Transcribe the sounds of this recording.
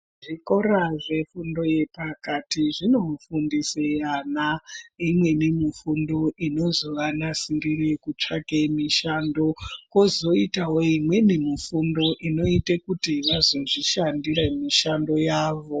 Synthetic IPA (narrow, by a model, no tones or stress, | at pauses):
ʐiko̞ɾaʐe̞fundo̞je̞pakatiʐino̞mufundisejanaimwe̞nemifundo̞ʔino̞zoʋanasidirekut͡ʂakemiʃaːndo̞ko̞zo̞itawoimwe̞nemifundo̞ʔino̞itekutiʋazo̞ʐiʃandiɾemiʃando̞jaːʋo̞